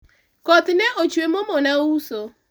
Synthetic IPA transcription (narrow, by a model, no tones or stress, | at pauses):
kɔt̪nɛʔot͡ʃwemomonauso